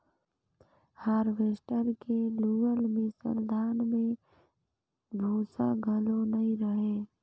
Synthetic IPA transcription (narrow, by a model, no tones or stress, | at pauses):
haɾʋeːsʈəɾkeluːəlmẽsə̰ɾd̪ʱaːnmẽ | bʱuːsaɡʱəlonɐɦĩɾəɦeː